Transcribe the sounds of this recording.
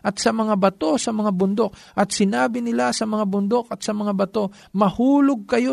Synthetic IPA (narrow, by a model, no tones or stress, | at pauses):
ʔɐt̪̚sɐmɐŋabɐt̪o̞sɐmɐŋabʊnd̪ok̚ | ʔɐt̪sɪnaːbɪnɪlasɐmɐŋabʊnd̪okɐt̪̚sɐmɐŋabɐt̪o̞ | mɐhuːlʊɡ̚kɐjo